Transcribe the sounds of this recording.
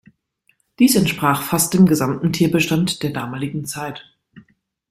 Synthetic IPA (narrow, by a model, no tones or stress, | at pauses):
d̥iːsɛntʃpʁ̥aːχfast̚d̥eːmɡəzamtn̩tʰiːɐbəʃtantd̥eːɐdaːmaːlɪɡŋ̩t͡saɪt